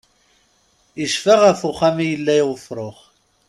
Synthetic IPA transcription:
iʃfaʁafʊχæmijəlːæiwəfɾˤoχ

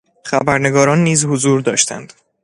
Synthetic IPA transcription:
χæbæɾne̞ɡɒːɾɒːnːiːzhozuːɾd̪ɒ̰ːʃt̪ʰæ̰nd̪̥

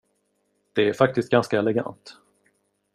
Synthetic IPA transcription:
d̪̥ɛæɾfakt̪ɪst̪̚ɡanskaɛlɛɡa̰nt̪

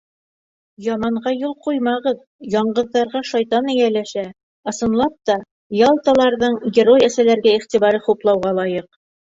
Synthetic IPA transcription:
jɑmɑɴʁɑjulˠqujmɑʁɤð | jɑɴɢɤ̆ðːɑɾʁɑʃɑjt̪ɑnɘjælæʃæ | ɤ̆sɤ̆nlˠɑp̚t̪ɑ | jɑlˠt̪ɑlˠɑɾðɤɴɡʲɪɾo̞jæsælæɾɡæiχt̪iβɑɾɤχuplˠɑwʁɑlˠɑjɤq

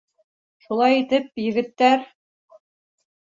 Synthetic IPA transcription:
ʃulˠɑjit̪ɘp̚jɘ̆ɡɘ̆t̪ːæɾ

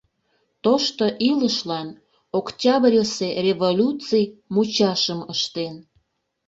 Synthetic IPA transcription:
t̪oʃt̪oʔiləʃlɑn | oktʲɑbrʲəserʲevolʲut͡sijmut͡ɕɑʃəməʃt̪en

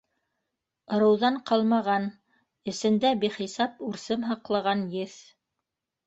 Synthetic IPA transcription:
ɤ̆ɾɤ̆wðɑɴqɑlˠmɑʁɑn | ɘ̆sɘ̆nd̪æbiχisɑpʉɾsɘmɦɑqlˠɑʁɑnjɘθ

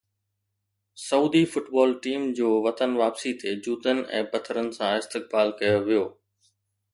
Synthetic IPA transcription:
sɐuːd̪ifʊʈbɔːlʈiːmd͡ʑoːʋɐt̪ənʋaːpsit̪ʰed͡ʑuːt̪ənɪ̆ʔɛ̰̃ːbɐt̪ʰəɾənɪ̆sãɪst̪ɪk̚baːlkɐjoʋijoː

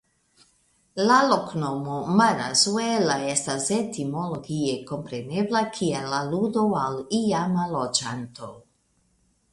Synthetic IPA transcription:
laloknomomaɾa̰zwelaestasetimoloɡieko̞mpɾeneblakʰielaludoalijamalod͡ʒant̪o

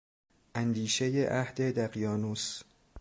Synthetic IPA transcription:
ʔænd̪iːʃejeʔæhd̪ed̪æɢijɒːnuːs

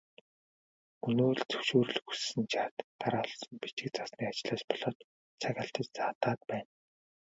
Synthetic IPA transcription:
unoːɮt͡sɵ̥wʃuːɾɵ̆ɮxussɘ̆nt͡ɕʰaːt̪ːaɾaːɮsɞ̆mpit͡ɕɪ̆k̚t͡sasniːat͡ɕɪ̆ɮaːspɔɮ̥ɔːt̪ | t͡sʰaɣʲaːɬt̪ə̆t͡ɕt͡sat̪aːt̪̚pæːn

